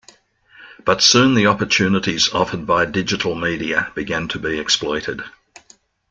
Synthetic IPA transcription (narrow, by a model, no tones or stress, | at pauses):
b̥ʌtsʉ̃nðiɑpə˞tʰʉnəɾizɑfəd̚baɪdɪd͡ʒɨɾl̩ˠmiːɾiəb̥ɨɡæ̃ntʰəbiɛksplɔɪɾɪd̥